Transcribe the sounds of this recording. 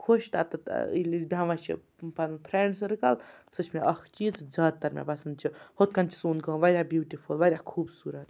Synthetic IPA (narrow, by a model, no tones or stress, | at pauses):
kʰoʃt̪a̰t̪ɨt̪ilizbʲjãʋɐt͡ʃʰḭ | pɐnpʰɾeɳɖsɾɨkɐl | sɨt͡ʃʰmeʔɐxʰt͡ʃiːzzaːd̪̚t̪ːɐɾmʲa̰bɐsɐnd̪̚t͡ʃʰihot̪̚kɐnt͡ʃʰi̥suːnkə̃ːʋɐɾʲabjuːʈipʰulʋɐɾʲjakʰuːbsuːɾɐt̪